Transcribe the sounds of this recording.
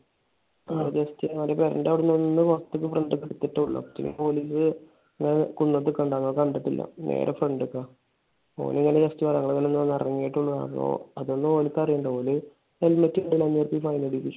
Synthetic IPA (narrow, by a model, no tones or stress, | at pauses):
aːd͡ʑɐstiʋɐlɐpeɾɐ̰nɖaːʋiɽunːonnːɨʋɐst̪ːukːɨfreɳɖɨkːiɽut̪ːiʈːeuɭːɐ̰pːɐt͡ɕːḭnḭpo̞ːliːs̬ɨ | ɐŋːɐnekunːɐt̪̬ːɨkːɐɳɖaːŋːɐkɐɳɖɐʈːilːɐ̰nḛːɾʔefreɳɖɨkːaː | o̰ːniŋːɐned͡ʑɐstiʋɐɾɐŋːɐɭt̪ɐnːonːɐnːɐ̰rɐŋːijiʈːuɳːɐna̰ːmo̰ɐðo̞nːɨoːlikːɐrijuɳɖɐpo̞ːle | nelmɐtːiuɳɖilːanːirpifɐjneɽikʲːit͡ɕːu